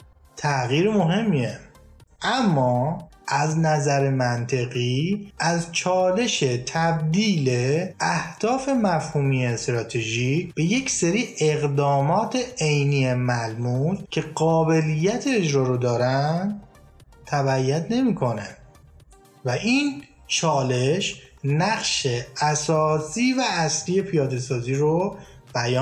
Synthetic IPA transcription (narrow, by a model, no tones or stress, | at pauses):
t̪ʰæɣiːɾemo̞ɦe̞mːie | ʔæmːɒː | ʔæznæzæɾemænt̪ʰe̞ɣiːʔæzt͡ʃʰɒːle̞ʃe̞t̪ʰæb̚d̪iːleæhd̪̥ɒːfe̞mæfhuːmiest̪ɾɒːt̪ʰeʒiːb̥e̞je̞cʰseɾiːʔeɣd̪ɒːmɒːt̪ʰeejniːemælmucʰe̞ɢɒːbe̞lijːæt̪ʰeːd͡ʒɾɒːɾod̪ɒːɾænd̪ | t̪ʰæbæjːæd̪ne̞miːkʰo̞næn | væʔin | t͡ʃʰɒːle̞ʃnæɣʃe̞æsɒːsiːvæːsliːje̞pʰijɒːd̪e̞sɒːziːɾo | b̥æjɒː